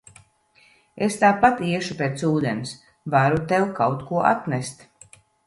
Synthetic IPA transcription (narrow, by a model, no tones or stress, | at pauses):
est̪aːpat̪iɛʃupʲeːt̪suːd̪ens | vaɾut̪ɛwkawt̪kuɔʔa̰t̪nʲɛst̪